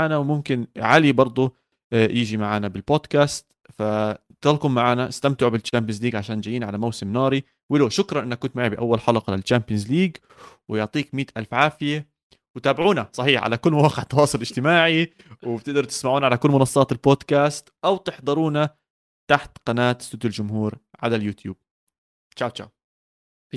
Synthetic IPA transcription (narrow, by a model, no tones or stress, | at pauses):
aːnawmʊmkɪnʕalibɑɾˤd̪ˤʊ | jʔɪd͡ʒimaʕaːnabɪlboːd̪kaːst̪ | fa | t̪ɑlkʊmːaʕaːnaʔɪst̪amt̪ɪʕbɪlt͡ʃaːmbɪnzliːɡʕaʃaːnd͡ʒajiːnʕalamawsɪmnɑːɾi | wɪloːʃʊkɾˤɑnʔɪnːakːʊnt̪maʕibɪʔa̰wːalħɑlɑqɑlɪlt͡ʃampjanzliːɡ | wɪjʊʕt̪ˤiːkmiːt̪ʔalfʕaːfɪja | wɪt̪aːbɪʕuːnasˤɑħiːħʕa̰lakʊlːmawɑːqɪʕt̪ːɑwɑːsˤʊlɪd͡ʒt̪ɪmaːʕi | wɪb̚t̪ɪʔd̪ɑɾˤt̪ɪ̥smaʕuːnaʕalakʊlːmʊnɑsˤːɑːt̪ɪlboːd̪kaːst̪ʔawt̪ɪħd̪ˤɑɾuːna | t̪aħt̪qɑnaːt̪sʊd̪ald͡ʒʊmɦuːɾʕa̰laljuːt̪juːb̥̚ | t͡ʃaːwt͡ʃa̰ːw